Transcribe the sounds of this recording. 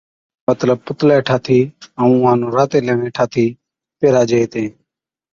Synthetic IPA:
mət̪ləb̚pʊt̪lɛːʈʰaːt̪ʰiːəũːãːnõːɾaːt̪eːleːɳẽːʈʰaːt̪ʰiː | peːɾaːd͡ʒeeːt̪ẽː

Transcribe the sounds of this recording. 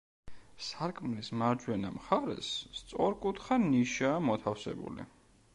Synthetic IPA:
saɾkʼmlismaɾd͡ʒwɛnamχaɾɛ̰st̪sʼɔɾkʼut̪ʰχaniʃaːmɔt̪ʰafsɛ̰bṵlḭ

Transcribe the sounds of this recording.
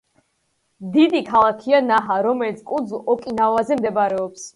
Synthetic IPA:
d̪id̪ikʰalˠakʰianaɦaɾɔmɛlit̪sʰkʼud̪zlˠɔkʼinavazɛmd̪ɛbaɾɛɔps

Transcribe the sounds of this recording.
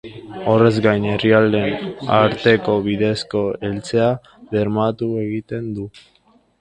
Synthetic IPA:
o̞re̞zɡajne̞riald̪e̞naɾt̪e̞ko̞βiðe̞sko̞elt͡se̞a | βe̞ɾmat̪ueɣit̪e̞nd̪u

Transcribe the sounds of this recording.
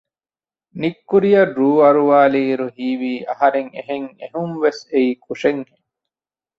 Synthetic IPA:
nikːuɾijɐrːuːɐɾuʋaːliːɾuɦiːʋiːʔɐhɐɾeŋeɦeŋeɦumʋeseiːkʰuʂeŋhe

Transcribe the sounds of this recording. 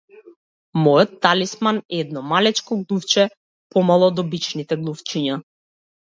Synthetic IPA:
mɔjɔt̪ːalismanɛd̪nɔmalɛt͡ʃkɔɡlˠuft͡ʃɛ | pɔmalˠɔd̪ɔbit͡ʃnit̪ɛɡlˠuft͡ʃiɲa

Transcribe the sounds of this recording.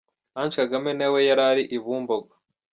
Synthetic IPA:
ant͡ʃkaɡamenewe̞jaɾaɾiʔiβuːmboɡa

